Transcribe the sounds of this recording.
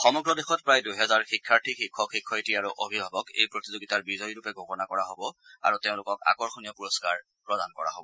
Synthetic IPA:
xɔmɔɡɹɔdexɔtpɹajdujɦɛzaɹxikʰːaɹtʰixikʰːɔkxikʰːɔjtiaɹuʔobʱibʱabɔkḛjpɹotizoɡitaɹbizɔjɹupɛɡʱokɔnakɔɹaɦobɔa̰ɹuteʊ̃lʊkɔka̰kɔɹxonijɔpuɹɔskaɹ | pɹɔdankɔɹa̰ɦo̰bɔ

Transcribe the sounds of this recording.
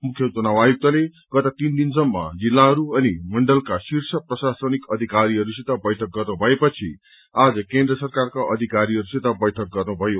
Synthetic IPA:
mukʰjʌt̪unawajuk̚t̪ʌle | ɡ̥ʌt̪at̪ind̪insʌmːa̰d͡zilːaɦʌɾuʌnimʌɳɖʌlkasirsʰʌprʌsasʌnikʌd̪ʱikaɾiɦʌɾusit̪ʌbʌjʈʰʌk̚ɡʌrnubʱʌepʌt͡sʰḭ | ad͡zʌkẽnd̪rʌsʌrkarkaʔʌd̪ʱikaɾiʌɾusit̪ʌbʌjʈʰʌk̚ɡʌrnubʱʌjo

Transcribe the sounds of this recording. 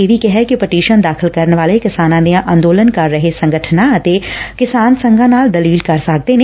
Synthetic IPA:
eʋʱikɛɦɛkipɐʈiːʃənd̪aːxʰɪlkɐɾnʋaːlekɪsaːnãːneãʔãːnd̪oːlənkɐɾːɐɦesɐ̃ŋɡəʈʰnãt̪ekɪsaːnsɐ̃ŋɡʱãnaːld̪ɐliːlkɐɾsaːk̚t̪enẽ

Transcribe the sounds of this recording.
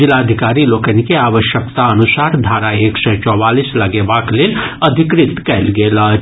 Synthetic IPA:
ɪlad̪ʱɪkaːɾiloːkənikeaːʋəʃjəkt̪aɐnʊsaːɾd̪ʱaːɾaeːksɔt͡ʃɔːwaːliːslɐɡebaklenɐd̪ʱɪkɾɪt̪kɛlɡeːla

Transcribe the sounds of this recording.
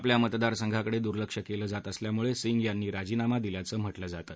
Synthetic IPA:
apljamət̪d̪aɾsəŋɡʱakəɽed̪uɾləkʂəkeləːd͡zat̪əsljamuɭesiŋɡjanːiːɾad͡ʑiːnamad̪iljat͡səːm̤əʈləːd͡zat̪ə

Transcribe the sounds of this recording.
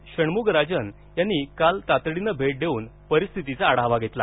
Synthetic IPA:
ɕəɳmuɡɾad͡ʑən | janːikalt̪at̪ɽinəbʱeʈ̚d̪ʱeuːnpəɾist̪ʰit̪it͡saːɽ̤aɦʋaɡʱet̪la̰

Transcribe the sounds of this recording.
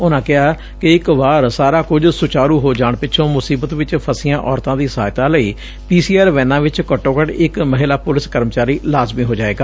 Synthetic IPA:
ʊnãːkɪɦaː | kɪɪkʋaːɾsaːɾaːkʊd͡ʒsʊt͡ʃaːɾuːɦoːd͡ʒaːɳpɪːʃʰõːmʊsiːbət̪ʋɪt͡ʃpʰəsɪjãːʔɔːɾt̪ãːd̪iːsaːjt̪ãːləiː | piːsiːaːɾʋɛ̃ːnãːʋɪt͡ʃkəʈːõːkəʈɪkməɦɪlaːpʊlɪskəɾmət͡ʃaːɾiːlaːzmiːɦoːd͡ʒaːeːɡaː

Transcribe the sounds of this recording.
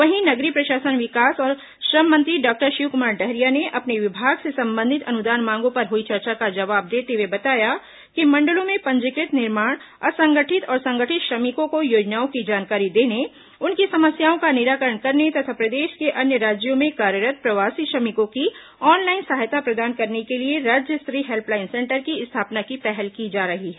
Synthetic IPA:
ʋɐɦinɐɡɾipɾɐʃaːsənʋɪkaːsɔːɾ | ʃɾɐmːə̃nt̪ɾiɖɔːk̚ʈəɾʃikʊmaːɾɖɛɦɾijaneʔɐpneʋɪbʱaːɡsesɐ̃mbə̃nd̪ʱɪt̪ʰɐnʊd̪aːnmãːŋɡõpɐɾɦoit͡ʃɐɾt͡ʃakad͡ʒɐʋaːb̚d̪eːt̪ewebɐt̪aːja | kimɐ̃ɳɖəlõmẽpɐ̃ɲd͡ʒɪkɾɪt̪nɪɾmaːɽ̃ | ɐsɐ̃ŋɡəʈʰɪt̪ɔːɾsɐ̃ŋɡəʈʰɪt̪ʃɾɐmɪkõkojoːd͡ʒnaːõkid͡ʒaːnkaːɾid̪eːne | ʊnkisɐməsjaːõkanɪɾaːkəɾəɳkɐɾnet̪ɐt̪ʰapɾɐd̪eːʃkeʔɐnjəɾaːd͡ʒjõmẽkaːɾjəɾət̪̚pɾɐʋaːsiʃɐmɪkõki | ɔːnlaːɪnsaɦjt̪apɾɐd̪aːnkɐɾnekelieɾaːd͡ʒjəst̪ɾiːɦelplaːɪnsɛ̃ːɳʈəɾkiɪst̪ʰaːpnakipɛɦɛlkid͡ʒaːɾɐɦiɦɛː

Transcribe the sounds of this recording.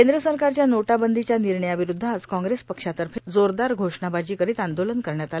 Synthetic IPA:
kend̪ɾəsəɾkaɾt͡ɕjanoʈabənd̪ʱit͡ɕjaniɾɳəjaʋiɾud̪ʱːad͡zkɔ̃ŋɡɾespəkʂat̪əɾfʰed͡zoɾd̪aɾɡʱoʂɳabad͡ʑiːkəɾiːt̪and̪olənkəɾɳjat̪al

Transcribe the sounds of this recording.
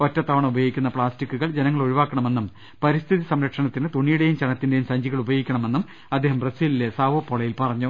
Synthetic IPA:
otːɐt̪ːaːʋɐɳɨubɐjoɡikʲːunːɐpɭaːstikːuɣɐɭd͡ʑenɐŋːɐɭoɻiʋaːkːɐɳɐme̞nːum | pɐɾist̪ʰiðisɐmɾɐkʂɐɳɐt̪ːinɨt̪uɳːijuɽejumt͡ɕɐɳɐt̪ːinde̞jumsɐɲd͡ʑiɣɐɭubɐjoɡikʲːɐɳɐme̞nːum | ɐd̪ʱːeːɦɐmpresiːlilesaːʋɐpːoɭɐjilpɐrɐɲːu

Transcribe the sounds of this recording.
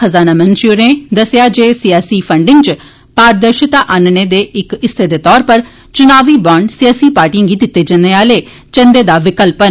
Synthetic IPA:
əzaːnaːmə̃nd͡ʒɾiuɾẽːd̪əsɪjaːd͡ʒeːsiːaːsiːpʰəɳɖɪ̃ŋɡt͡ʃ | paːɾd̪əɾʃɪt̪aːʔaːnneːd̪eːɪkɪst̪ʰeːd̪eːt̪ɔːɾpəɾ | t͡ʃʊnaːʋiːbaːɳɖsijaːsiːpaːɾʈijə̃ŋɡiːd̪ɪt̪ːeːd͡ʒəneːaːleː | t͡ʃə̃nd̪eːd̪aːʋɪkəlpən

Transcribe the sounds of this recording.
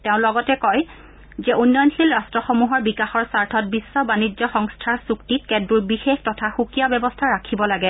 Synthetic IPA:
teʊ̃lɔɡɔtɛkɔj | zɛunːɔjnxilɹastɹɔxomuɦɔɹbikaxɔɹsaɹtʰɔt̚bisːɔbanid͡ʒɔxɔŋstʰaɹsuktit̚kɛdɹuɹbixextɔtʰaxukijabɛbɔstʰaɹakʰibɔlaɡɛ

